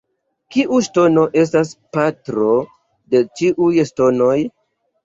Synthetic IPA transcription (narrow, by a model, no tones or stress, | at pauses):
kiʔuʃto̞no̞ʔe̞s̬tas̬patɾo̞ | de̞t͡ʃiʔujʃto̞no̞j